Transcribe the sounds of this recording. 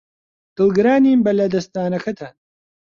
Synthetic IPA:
d̪̥ɨlˠɡɨɾaːniːmbɐlɐd̪ɐst̪aːnɐkʰɐt̪ʰaːn

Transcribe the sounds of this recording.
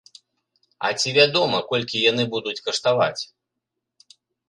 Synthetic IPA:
ɐ̰t͡sʲivʲad̪ɔmɐkɔlʲkʲijanɨbud̪ut͡sʲkɐʂt̪ava̰t͡sʲ

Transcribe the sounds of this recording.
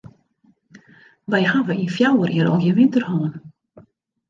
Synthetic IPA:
ʋɛjhaʋəinfjawəriəɾɔ̰jəʋɪntərhɔːn

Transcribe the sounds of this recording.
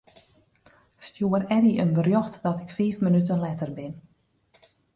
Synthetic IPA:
stjuəɾɛniʔənbərjoxtdɔtɪkfiːfmənyt̬ənlɛtərbɪn

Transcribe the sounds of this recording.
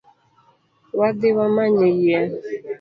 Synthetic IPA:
wadɪwamaɲejia

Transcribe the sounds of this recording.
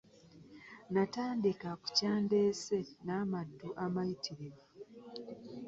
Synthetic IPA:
nataːndikaku̥caːnde̞ːsenaːmadːuʔamajitiɾiβa

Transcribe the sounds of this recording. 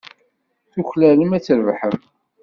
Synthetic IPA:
θuçlæləmæt͡sːəɾvħəm

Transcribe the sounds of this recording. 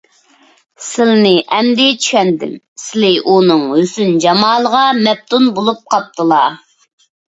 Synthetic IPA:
sɪlnɪʔɛmd̪ɪt͡ʃʰy̥ʃɛnd̪ɪ̰m | sɪlɪʔunɨŋhøsynd͡ʒɑmɑːlˠəʁɑmɛp̚t̪ʰunbolˠup̚qʰɑp̚t̪ʰɨlˠɑ

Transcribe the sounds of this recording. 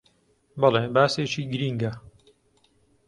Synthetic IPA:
bɑlˠeːbaːseːt͡ʃiːɡɨɾiːŋɡɐ

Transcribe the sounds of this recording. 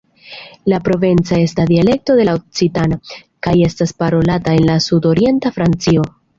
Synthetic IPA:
lapɾo̞ve̞nt͡sae̞stad̪iale̞k̚to̞de̞laok̚t͡sitana | kaje̞staspaɾo̞latae̞nlasudo̞ɾie̞ntafɾant͡sio̞

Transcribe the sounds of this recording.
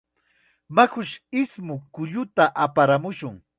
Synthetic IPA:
makʊʃɪsmʊkʊʎʊt̪aʔapaɾamʊʃʊŋ

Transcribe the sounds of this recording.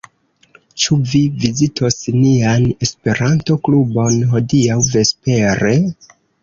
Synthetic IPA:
t͡ʃuvivizitʰo̞sniane̞spe̞ɾanto̞klubo̞nɦo̞diawve̞spe̞ɾe̞

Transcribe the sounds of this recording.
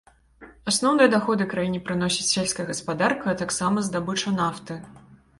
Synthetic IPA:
asnɔwnɨjɐd̪axɔd̪ɨkɾajinʲipɾɨn̪ɔsʲit͡sʲsʲelʲskɐjɐɣɐspad̪arkɐːt̪aksamɐzd̪abɨt͡ʂɐnaft̪ɨ

